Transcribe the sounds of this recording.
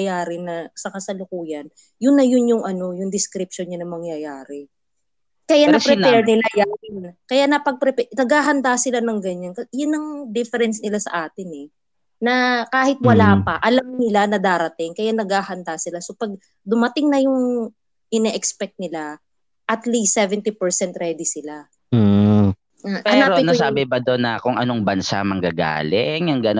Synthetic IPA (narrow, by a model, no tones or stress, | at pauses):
jaːɾɪnɐsɐkasɐlʊkuːjɐn | jʊnːɐjʊnjʊŋʔɐno̞jʊŋd̪ɪskɾɪp̚ʃonɲanɐŋmɐŋjɐjaːɾɛ | kɐjanɐpɾɛpɛɹnɪlajakɐjanɐpɐɡ̚pɾɛpɛnɐɡhaːɦɐnd̪asɪlanɐŋɡɐɲankɐjʊnːɐŋd̪ɪfɛɾɛnsnɪlasɐ̰ʔaːt̪ɪnɛ | nɐkaːhɪt̪̚wɐlaːpɐʔɐlamnɪlanɐd̪aːɾɐt̪ɪŋkɐjanɐɡaːhɐnd̪aːsɪlasopɐɡ̚ | d̪ʊmɐt̪ɪŋnɐjʊŋ | ʔɪnɛːʔɛkspɛk̚t̪̚nɪla | ʔɐt̪list̪ːɛvɛnt̪ipɛɹsɛnt̪ɾɛːd̪ɪsɪla | apɐɛnaːɾoɪnɐsaːbɪbɐd̪onːɐkʊŋʔɐnoŋbɐnsa̰mɐŋɡaɡa̰ːlɪŋɐŋɡɐno